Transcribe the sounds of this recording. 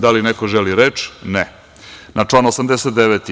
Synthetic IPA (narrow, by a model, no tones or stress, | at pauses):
d̪alinekoʒeliɾet͡ʃnɛ | nʔat͡ʂlˠaːnosamd̪eset̪d̪eʋet̪i